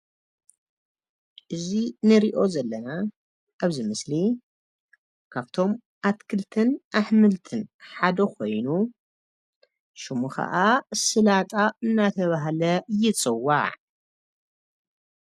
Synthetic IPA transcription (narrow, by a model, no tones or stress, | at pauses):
ʔɨzinɨɾiʔo̞zɐlːɐna | ʔaβzimɨsli | kʰaβt̪ʰo̞m | ʔat̪kʰɨlt̪ʰɨnʔaħmɨlt̪ʰɨnħad̪ɐkʰo̞̰jnu | ʃumuxɐ̰ʔasɨlat̪ʼaɨnːat̪ʰɐβaɦlɐjɪt͡sʼɨwːa̰ʕ